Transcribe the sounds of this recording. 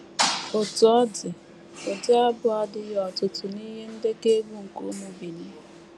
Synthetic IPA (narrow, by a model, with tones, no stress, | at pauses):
ʊ˨tʊ˨ɔ˦dɪ˨ | o˨dɪ˦a˦bʊ˨a˦dɪ˦jɔ˨tʊ˨tʊ˨ni˦ɦe˦n̩˦de˦ke˦bu˦ŋ̩˨ko̰˦mu˨bi˨ni˦